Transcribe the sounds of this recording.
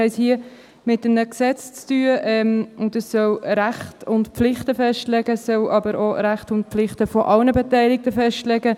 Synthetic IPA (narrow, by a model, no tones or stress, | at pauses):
ɛɪshiə | mɪtəmnəksɛt͡st͡styːəʔɛmʊndəssœlɾæχtʊntpflɪχtəfɛʃtlɛɡəsːœlʔɑbəɾʔoɾæχtʊntpflɪχtəfɔʔɑlnəbɛtæɪlɪk̚təfɛʃtlɛɡə